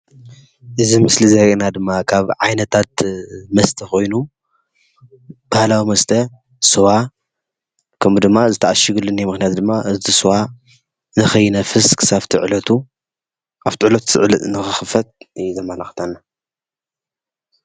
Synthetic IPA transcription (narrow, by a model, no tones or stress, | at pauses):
ʔɨzimɨslizɐɾenad̪ɨmːakʰaβʕajnɐt̪ʰat̪̚mɐst̪ʰɐxo̞jnu | b̥ahlawimɐst̪ʰɐ | sɨwa | kʰɐmd̪ɨmːazɨt̪ʰaʔaʃɨɡɨlɨnimɨxnijat̪d̪ɨmːaʔɨzisɨwa | nɨxɐjːnɐfɨskʰɨ̥saβt̪ʰiʕlɐt̪ʰu | aβt̪ʰiʕlɐt̪ʰsɨʕlɨnɨxɨxɨfɐt̪̚ɨjzɐmɐlaxt̪ʰanːa